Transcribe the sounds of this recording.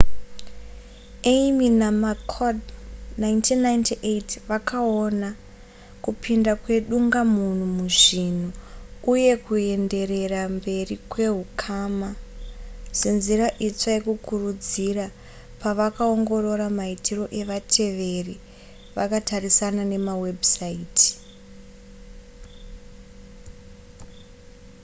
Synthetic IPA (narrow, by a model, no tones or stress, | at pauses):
eiminamakʰodnaintʰinːaintiʔetʋakaona | kupʰindakwe̞ɗuŋɡamun̤umuʐin̤uuje̞kue̞nde̞re̞rambe̞rikwe̞ɦukʰaːma | se̞nziraʔit͡sajekukurud͡zira | paʋakao̞ŋɡo̞ɾo̞ɾamaitiro̞ʔe̞ʋatʰe̞ʋe̞ri | ʋakatarisanane̞mawe̞bʱsaiːti̥